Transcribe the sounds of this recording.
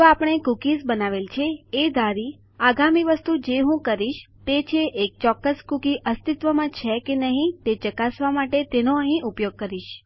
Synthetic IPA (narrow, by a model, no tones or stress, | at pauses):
t̪oapəɽ̃ekukisbənaʋelt͡ʃʰeːd̪aɾi | aɡamiʋəst̪ud͡ʒeɦũkəɾiʃ | t̪et͡ʃʰeʔek̚t͡ʃɔkːəskukiʔəst̪it̪ʋəmãt͡ʃʰekenəɦĩt̪et͡ʃəkasʋamaʈet̪enoəɦĩʔupjoɡ̚kəɾiʃ